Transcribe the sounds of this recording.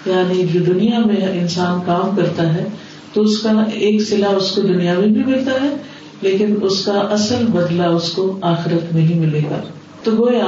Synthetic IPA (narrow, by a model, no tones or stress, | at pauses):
jaːnid͡ʒoːd̪ʊnijamẽɪnsaːnkaːmkɐɾt̪aɦɛ | t̪oʊskaeːksɪlaʊskod̪ʊnijabʱĩbʱimɪlt̪aɦɛ | leːkɪnʊskaʔɐsəlbɐd̪laʊskoaːxɪɾət̪mẽɦĩmɪleːɡa̰ː | t̪oɡoːiaː